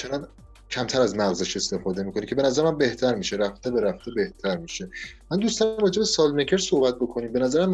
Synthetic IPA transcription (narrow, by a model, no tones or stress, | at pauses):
t͡ʃʰenɒn | cʰæmt̪ʰæɾæzmæɣzeʃe̞st̪e̞fɒːd̪e̞miːkʰo̞nicʰe̞benæzæɾemæmbe̞ht̪ʰæɾmiːʃeɾæft̪ʰebeɾæft̪ʰebeht̪ʰæɾmiːʃe̞mænd̪ust̪ɒmrɒːd͡ʒe̞besɒld̪mecʰe̞ɾsohbæt̪̚bo̞kʰo̞niːmbe̞næzæɾemæ